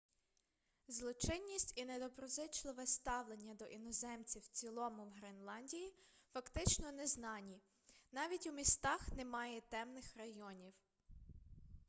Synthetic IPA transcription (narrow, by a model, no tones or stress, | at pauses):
zlˠɔt͡ʃɪnʲːisʲtʲined̪ɔbɾɔzɪt͡ʃlˠɪʋɛst̪ɑwlˠenʲːɐd̪ɔʔinɔzɛmt͡sʲiwt͡sʲilˠɔmʊwɦɾenlˠɑnʲdʲijifɐkt̪ɪt͡ʃnɔnɛznɑnʲi | nɑʋʲitʲumʲist̪ɑxnemɑjɛt̪ɛmnɪxrɐjɔnʲiw